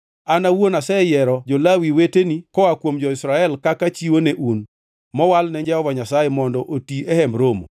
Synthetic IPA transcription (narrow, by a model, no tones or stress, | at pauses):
anawonasɛjɛɾɔd͡ʒolawiwetenikɔwakwomd͡ʒɔɪsɾaɛlkakat͡ʃiwoneʔun | mɔwalnɛɲd͡ʒɛɔvaɲasajemɔndɔʔotiɛhɛmɾomo̰